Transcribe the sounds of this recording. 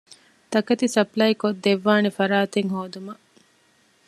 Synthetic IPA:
t̪ɐkɐt̪isɐplɐjkod̪ːeʋːaːnefɐɾaːt̪eŋɦoːd̪umɐ

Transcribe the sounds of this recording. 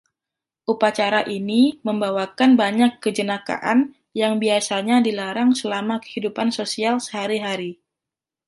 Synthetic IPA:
ʔupat͡ʃaɾaʔiniməmbawakanbaɲakːəd͡ʒənaka̰ʔan | jaŋbiasaɲadilaɾaŋsəlamakə̥hidupansosialsə̥ɦaɾiɦaɾi

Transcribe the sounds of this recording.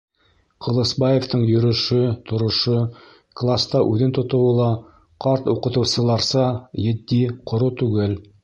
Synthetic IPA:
qʰŏlˠɤ̆sbɑjeft̪ɤɴjɵ̆ɾɵ̆ʃɵt̪ŏɾŏʃo | klˠast̪ɑʔʉðɘnt̪ŏt̪ŏwɤ̆lˠɑ | qʰɑɾt̪uqɤ̆t̪ɤ̆wsɤ̆lˠɑɾsɑjɘ̆d̪ːiqʰŏɾut̪ʉɡɘl

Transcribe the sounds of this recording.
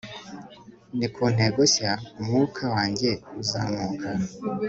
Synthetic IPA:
nikʰuːn̥eɡosaumŋukʰawaːɲɟeuza̰ːmukʰa

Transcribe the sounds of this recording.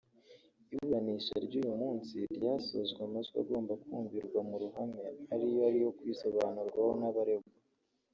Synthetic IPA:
iβuɾaniʃa̰ɾɟuːjumuːnsiɾɟaːsozɡwamazɡa̰ɡo̞ːmbakuːɱviɾɡwamuɾuɦameaɾijoaɾiho̞kwisoβanuɾɡwahonaβaɾe̞ɡu

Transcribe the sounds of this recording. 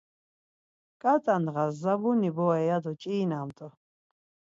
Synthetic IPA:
kʼat̪ʼanʁazːabunibɔɛjad̪ɔt͡ʃʼiːnamt̪ʼɔ

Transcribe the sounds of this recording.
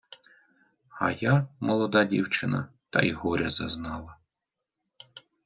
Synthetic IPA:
ɑ̰jamɔlˠɔd̪ɑdʲiwt͡ʃɪnɐ̰t̪ɐ̰jɦɔɾʲɐzɐznɑlˠɐ

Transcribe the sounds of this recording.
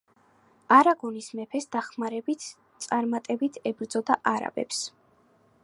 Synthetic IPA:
aɾaɡɔnismɛpʰɛsd̪̥aχmaɾɛbit̪ʰ | t̪sʼaɾmat̪ʼɛbit̪ʰɛbɾd̪zɔd̪aʔaɾa̰bɛ̰ps

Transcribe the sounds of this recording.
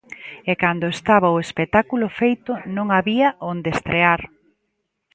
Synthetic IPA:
ɛkand̪oʊest̪aβaoespet̪akulʊfejt̪ʊnõŋaβiɐʔond̪est̪ɾeaɾ

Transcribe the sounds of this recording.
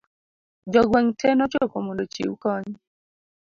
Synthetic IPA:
d͡ʒɔɡwɛŋtʰɛnɔt͡ʃopomɔndot͡ʃḭukɔɲ

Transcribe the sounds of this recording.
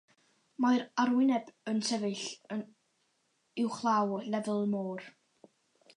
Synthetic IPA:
majɾarwɪnɛbənsʰɛvɨɬə | ɪwχlˠawɔnɛvəlˠmoːr

